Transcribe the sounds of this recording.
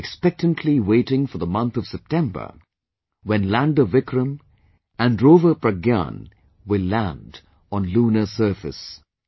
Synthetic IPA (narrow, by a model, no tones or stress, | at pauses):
ɛkspɛk̚tə̃ntʰliweɪɾɪ̃ŋfə˞ðəmʌ̃nt̪ʌv̥sɛp̚tʰɛ̃mbə̰˞ | wɛ̃nlæ̃ndəvɪkʰɹə̃m | ɨ̃nɹovəpɹəɡã̰n | wɪlːæ̃nd | ɔ̃nluːnəsɜ˞fɨ̰s